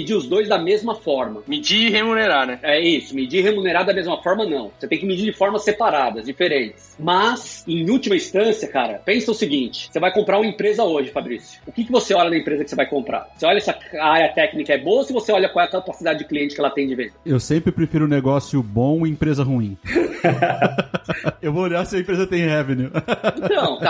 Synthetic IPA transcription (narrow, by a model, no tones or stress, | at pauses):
mid͡ʒiʊzd̪ojzd̪ɐmezmɐfɔɾmɐmid͡ʒihemuneɾaɾnɛɛisʊmid͡ʒihemuneɾaɾd̪ɐmezmɐfɔɾmɐnɐ̃w̃oset̪ẽj̃kɪmid͡ʒiɾd͡ʒɪfɔɾmɐsepaɾad̪ɐzd͡ʒifeɾẽnt͡ʃɪ̥smɐsẽj̃ut͡ʃimɐĩst̪ɐ̃siɐkaɾɐ̰pẽsɐ̃ʊsɪɡĩnt͡ʃɪ̥sevajkõmpɾaɾũmɐẽpɾezɐoʒɪfabɾisjʊ̥ʊkɪkɪvoseɔʎɐd̪ɐẽpɾezɐkɪ̥sevajkõmpɾʔa̰ɾseɔʎɐɛsɐaaɾiɐt̪ɛknikɐɛboɐsɪvoseɔʎɐkwawɛɐkapasid̪ad͡ʒɪd͡ʒɪkliẽnt͡ʃɪ̥kɪɛlɐt̪ẽj̃d͡ʒɪvẽnd̪ɐewsẽmpɾɪpɾefiɾʊ̃neɡɔsjʊbõw̃ẽpɾezɐɦuĩ | ewvooʎaɾsɪɐẽpɾezɐt̪ẽj̃hɛvenũt̪ɐ̃w̃t̪a